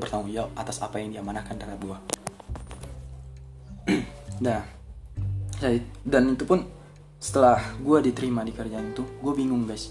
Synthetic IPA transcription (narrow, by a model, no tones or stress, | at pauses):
bərt̪aŋuŋd͡ʒiaʔat̪asapajaŋdiamanakandaɾat̪̚ɡua | da | sadanit̪upʊn | sə̥t̪əlahɡuadit̪əɾimadikərd͡ʒanit̪uɡuabiŋʊŋɡajs